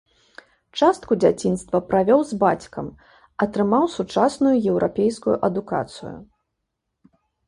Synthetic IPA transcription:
t͡ʂast̪kud͡zʲat͡sʲinst̪vɐpɾavʲɔwzbat͡sʲkɐ̰m | ɐt̪ɾɨmawsut͡ʂasnujujɛwɾapʲejskujṵʔɐd̪uka̰t̪sɨ̰jṵ

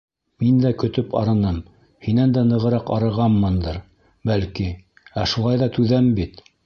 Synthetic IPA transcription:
mind̪ækɵ̆t̪ɵpɑ̰ɾɤ̆nɤm | hinænd̪ænɤ̆ʁɤ̆ɾɑqɑɾɤ̆ʁɑmːɤnd̪ɤɾ | bælki | æʃulˠɑjðɑt̪ʉðæmbit̪

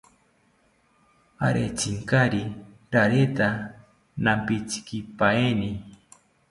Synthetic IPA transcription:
a̰ɾḛt͡siŋkaɾi | ɾaɾet̪a | nampit͡si̥kipaeni

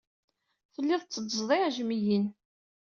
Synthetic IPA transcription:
θəlːɪðˤt͡sːəd̪zˤðˤiʕʒmijin

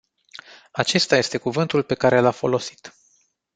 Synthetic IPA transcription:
at͡ʃe̞st̪aje̞st̪e̞kuvɨnt̪ulpe̞kaɾe̞lafo̞lo̞si̥t̪

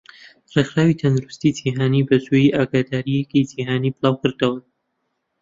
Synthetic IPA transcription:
rexɾaːwit̪ʰɐnd̪uɾust̪it̪ʰeɦaːnibɐzujiʔaːɡaːd̪aːɾijɛkitʰeɦaːniːbɨlˠaːwkɨɾd̪ɐwɐ

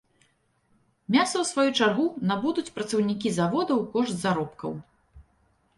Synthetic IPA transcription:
mʲasɐwsvajut͡ʂarɣunabud̪ut͡sʲpɾɐt̪sɐwnʲikʲizavɔd̪ɐwkɔʂt̪zaɾɔpkɐw

